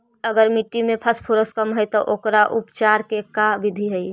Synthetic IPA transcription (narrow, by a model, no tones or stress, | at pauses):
ɐɡəɾmiʈːimẽpʰɐspʰuɾəskəmɦəjt̪oʔoːkɾaʔʊpt͡ʃaːɾkekaʋɪd̪ʱiɦɛi